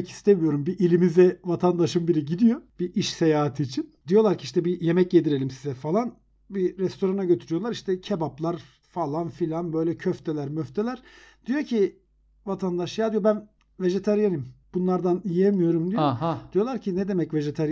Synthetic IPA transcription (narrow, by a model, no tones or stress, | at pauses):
cʰi̥st̪ʰemijo̞ɾumbiʔilʲimizɛvat̪ʰand̪aʃɯmbiɾiɟid̪ijo̞b̥iʔiʃse̞jaːɦat̪ʰɯːt͡ʃʰind̪ijo̞lˠaɾcʰiiʃt̪ʰɛbije̞mɛc̚e̞d̪iɾe̞lʲimsizɛfalˠan | biɾɛst̪ʰo̞ɾanaɟøt̪ʰyɾyjo̞lˠaɾiʃt̪ʰɛcʰebaplˠaɾ | falˠanfilʲanbø̞jlʲɛcʰøft̪ʰelʲæɾmøft̪ʰe̞lʲæɾ̥d̪̥ijocʰi | vat̪ʰand̪aʃjaːd̪ijo̞bæn | ve̞ʒe̞t̪ʰaɾjanɯmb̥unlˠaɾd̪anijemijo̞ɾumd̪ijoɦd̪ijo̞lˠaɾcʰinɛd̪e̞mɛcve̞ʒet̪ʰaɾj